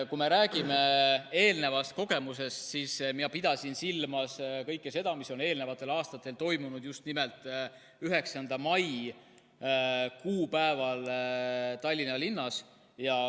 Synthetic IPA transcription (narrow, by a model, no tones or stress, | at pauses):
kume̞ɾæːɡ̥ime̞e̞ːlne̞vɑst̪̚ko̞ɡ̥e̞muse̞st̪sismiɑpid̪̥ɑsinsilːmɑskɤjkːese̞d̪̥ɑmiso̞ne̞ːlne̞vɑt̪ːˑe̞lɑːst̪ɑt̪ːˑe̞lt̪o̞jmunud̪̥just̪nimelt̪ːˑ | yɦe̞ksɑnd̪̥ɑmɑj | kuːpæevɑl | t̪ɑlʲːinɑlinːɑs | jɑ